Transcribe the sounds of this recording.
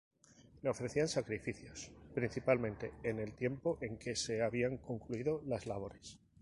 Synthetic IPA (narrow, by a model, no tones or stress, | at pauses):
leo̞fɾe̞θiansakɾifiθjo̞spɾinθipalmẽnt̪e̞̰ːne̞lt̪je̞mpo̞ʔe̞ŋke̞se̞aβiaŋko̞ŋkluiðo̞lazlaβ̞o̞ɾe̞s